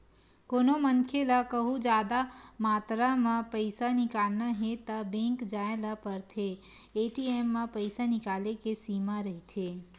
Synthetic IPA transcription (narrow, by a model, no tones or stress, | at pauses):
koːnomənkʰelakəɦũd͡ʒaːd̪amaːt̪ɾamãpəɪsanɪkaːlnaɦet̪abẽŋkd͡ʒaːẽlapəɾt̪ʰe | eːʈieːmːãpəɪsanɪkaːlekesiːmaɾəɦit̪ʰeː